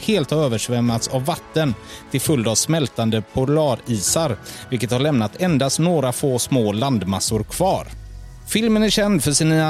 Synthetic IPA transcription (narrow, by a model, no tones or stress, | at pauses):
heːlt̪haɾøːvəʂvɛmːat̪savːat̪ːənt̪ʰɪlfɵld̪avsmɛlt̪and̪əpʰʊlɑːɾiːsaɾvɪlkət̪haɭɛmnat̪ʰɛnd̪ast̪noːɾafoːsmoːland̪masʊɾkʰv̥ɑːɾ | fɪlmənæɾɕɛnd̪fœʂɪniːa